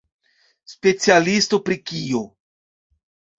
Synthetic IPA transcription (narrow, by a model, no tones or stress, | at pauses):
spe̞t͡sialistopɾikio